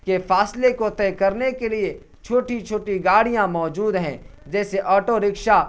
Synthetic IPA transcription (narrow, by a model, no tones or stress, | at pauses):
kefaːslekot̪ɛːkɐɾnekelie | t͡ʃʰoːʈit͡ʃʰoːʈiɡaːɽijãmɔːd͡ʒuːd̪ɦɛ̃ːd͡ʒɛːseʔɔːʈoɾɪkʃa